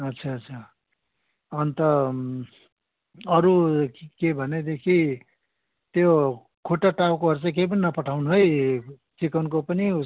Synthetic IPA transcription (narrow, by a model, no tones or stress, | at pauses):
ʌtːt͡sʰaʌtːt͡sʰa | ʌnit̪ʌ | ʌɾukebʱʌned̪ekʰi | t̪jo | kʰoʈaʈawkoɦʌɾut͡sãkep̬ʌninʌpʌʈʰawnuɦʌj | t͡sikʌnkopʌniu